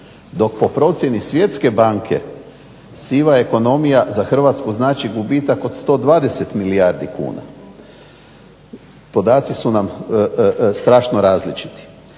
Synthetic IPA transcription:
d̪o̞k̚po̞pɾo̞t̪sje̞nisʋje̞t̪ske̞baŋkʰe̞̰ | siːʋaeko̞no̞mijazaxr̩ʋaːt̪skuznaːt͡ʃiɡubit̪akod̪st̪o̞ːd̪ʋaːd̪e̞se̞t̪milijaɾd̪ikṵːna̰ | po̞d̪aːt̪sisunam | st̪ɾaːʃnoɾaːzlit͡ʃi̥t̪i̥

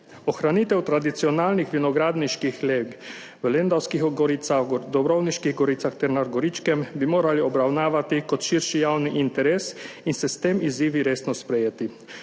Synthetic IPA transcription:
ɔxɾaniːt̪ɛwt̪ɾad̪it̪siɔnaːlnixʋinɔɡɾaːd̪niʃkixleːɡ | ʋəlend̪awskixɡɔɾiːt̪saxd̪ɔbɾɔwniʃkiɣɡɔɾiːt̪saxt̪ɛɾnaɾɡɔɾit͡ʃkɛmbimoːɾaliɔbɾawnaːʋat̪ikɔt̪ʃiɾʃijawniʔint̪ɛɾeːs | insɛst̪emiziːʋiɾeːsnɔspɾɛjeːt̪i

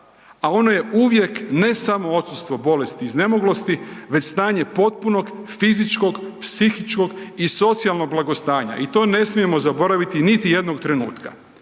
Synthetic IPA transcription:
ao̞no̞je̞ʔuʋje̞kne̞samo̞o̞t̪sust̪ʋo̞bo̞le̞st̪iːzne̞moɡlo̞st̪iʋe̞t͡ɕst̪aːɲe̞po̞t̪̚puno̞ɡ | fizit͡ʃko̞ɡpsixit͡ʃko̞ɡiso̞t̪sijalˠno̞ɡ̚blˠaɡo̞st̪aːɲa̰it̪o̞ːne̞smije̞mo̞zabo̞ɾaʋit̪init̪ije̞d̪no̞ɡ̚t̪ɾe̞nṵːt̪ka̰

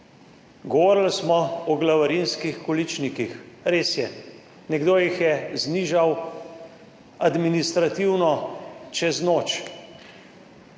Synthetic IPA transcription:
ɡɔʋɔːɾlsmɔɔɡlaʋaɾinskixkɔlit͡ʃnikixɾeːsjɛ | nɛɡd̪oːjixjɛzniːʒaw | ad̪minist̪ɾat̪iwnɔt͡ʃɛznoːt͡ʃ

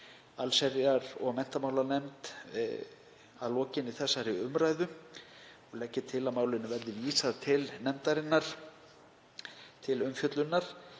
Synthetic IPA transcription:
alsɛɾjaɾɔɣmɛn̥t̪amaːwlaɾnɛmt̪ | aðlɔːcɪniθɛsːaɾiʏmɾajðʏ | ɔɣlɛcːɪt̪ʰɪlamaːwlɪnːʏvɛɾðɪviːsaðt̪ʰɪlnɛmt̪aɾɪnːaɾ̥ | t̪ʰɪlʏmfjœt̪lʏnːaɾ̥

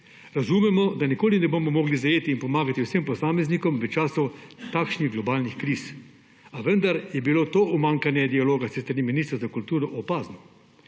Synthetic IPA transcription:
ɾazumɛmɔd̪anikoːlinɛboːmɔmɔːɡlizajeːt̪iːnpɔmaːɡat̪iwsempɔsaːmɛznikɔmʋət͡ʃaːsɔt̪aːkʃniɣɡlɔbaːlnixkɾis | aʋənd̪aɾjɛbiloːt̪oːʔumaŋkanjɛd̪ialoːɡasest̪ɾaniminist̪ɾzakult̪uːɾɔʔɔpaːznɔ

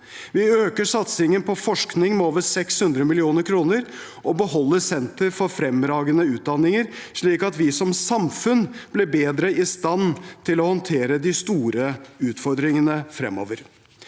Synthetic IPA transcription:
ʋɪøːkəʂɑt̪sɪŋənpʰɔfɔʂknɪŋmɛoːʋəɾsɛkshʉnd̪ɾəmɪlɪuːnəɾkʰɾuːnəɾ | ʔɔbəhɔlːəsɛnt̪əɾfɔɾfɾɛmɾɑːɡənəʉːt̪̚d̪ɑnːɪŋəɾʂɭiːkɑt̪ʋɪsɔmsɑmfʉnb̥lɛbeːd̪ɾəɪst̪ɑnt̪ʰɪlɔhɔnt̪ʰeːɾəd̪ɪst̪uːɾəʉːt̪fɔɾd̪ɾɪŋənəfɾɛ̰mːo̰ːʋəɾ

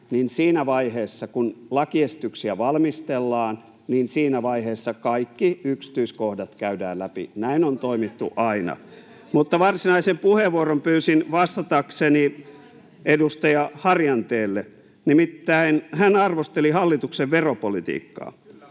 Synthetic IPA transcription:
ninsiːnæʋɑiheːsːɑkunlɑkiesit̪yksiæʋɑlmist̪elːɑːn | niːnsiːnæʋɑiheːsːɑkɑikːiyksi̥t̪yiskohdɑt̪kæydæ̰ːllæpḭnæinont̪oimit̪ːṵʔɑinɑ̰ | mut̪ːɑʋɑrsinɑisempuheʋuorompyːsinʋɑst̪ɑt̪ɑkseni | edust̪ɑjɑhɑrjɑnt̪eːlːe | nimit̪ːæinhænɑrʋost̪elihɑlːit̪ukseʋʋeropolit̪ḭːkːɑ̰ː

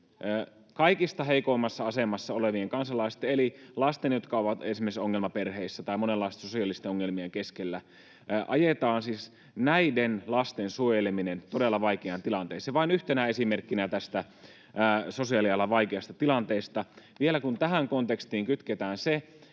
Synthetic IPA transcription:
ʔəː | kɑikist̪ɑheikoimːɑsːɑɑsemɑsːɑoleʋieŋkɑnsɑlɑist̪eelilɑst̪enjot̪kɑoʋɑt̪ensimːesoŋːelmɑperheisːæt̪ɑimonelːɑˑist̪sosiɑlːist̪eoŋːelmieŋkeskelːæ | ʔɑ̰jet̪ɑːnsis | næidenlɑst̪ensuojeleminent̪odelːɑʋɑikeɑnt̪ilɑnt̪eːseʋɑinyht̪enæesimerkːinæt̪æst̪æː | so̞siɑliɑlːɑʋɑikeɑst̪ɑt̪ilɑnt̪eːst̪ɑʋielækunt̪æɦæŋkont̪ekst̪iːŋkyt̪ket̪æːnse

